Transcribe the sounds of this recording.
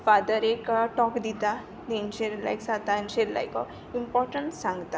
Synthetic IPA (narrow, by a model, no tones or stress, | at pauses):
fad̪əɾekʈɔkd̪it̪a | d̪ent͡ʃʰeɾla̰jksat̪ant͡ʃeɾla̰jko | impɔɾʈəɳʈsãŋɡt̪a